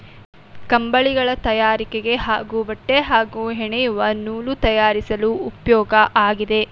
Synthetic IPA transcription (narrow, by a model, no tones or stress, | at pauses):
kɐmbɐɭiɡɐɭɐt̪ɐjaːɾikeɡe̞ɦa̰ːɡuʋɐʈːeɦaːɡuɦɛɳɛjuʋɐnuːlut̪ɐjaːɾisɐluupjɔːɡɐʔaːɡid̪e̞